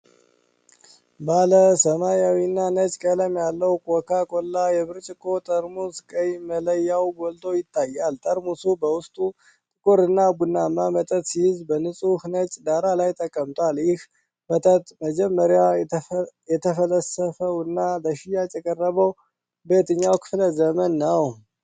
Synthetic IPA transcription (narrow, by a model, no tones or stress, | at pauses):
baləsəmajawinːanət͡ʃʼkʼələmjalːəwkʼɔkʰakʼolːajɛβɨɾt͡ʃʼɪkʼʰːo̞t̪ʼəɾmuskʼəjmələjːawɡolt̪ʰʼo̞jɪt̪ʰːajːalt̪ʼəɾmusubəwʊst̪ʼu | t̪ʼɨkʼoɾɨnːaɡunːamːamət̪ʼət̪sihɪzbənɨsʼuhnət͡ʃʼd̪aɾalajt̪ʼəkʼːəmt̪ʼwaljɪh | mət̪ʼət̪ʼməd͡ʒɛmːəɾja | jɛt̪ʰəfələsəfəwɨnːaləʃɪjat͡ʃʼəkʼərːəβəw | bet̪ʰɨɲːawkʰɨ̥fləzəmənːəw